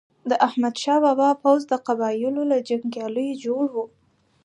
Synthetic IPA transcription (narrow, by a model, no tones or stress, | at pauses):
d̪əʔahmad̪ʃɑwabɑpawzd̪əqabɑjɪlolad͡ʒaŋɡjɑləjod͡ʒoɽwu